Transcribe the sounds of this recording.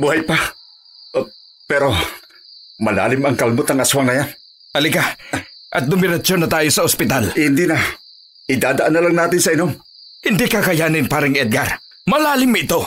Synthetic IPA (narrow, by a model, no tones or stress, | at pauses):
buhajpa | pɛɾo | mɐla̰ːlɪmɐŋkɐlmʊt̪ɐŋɐswaŋnɐjan | hɐlɪkaʔɐ̰t̪̚d̪ʊmɪɾɐt͡ʃonːɐt̪aːjosɐospɪt̪alhɪnd̪ina | ʔɪd̪aːd̪ɐʔanːɐlaŋnaːt̪ɪnsɐɪnoŋ | hɪnd̪ikakɐjaːnɪnpaːɾɐŋɛd̪̚ɡaɾ | mɐlaːlɪmːaɪt̪o̞